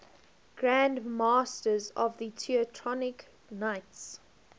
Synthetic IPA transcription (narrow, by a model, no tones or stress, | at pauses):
ɡ̥ɹæ̃ndmɑstəzɔvðətʰiətʰɹɔnɪk | naɪts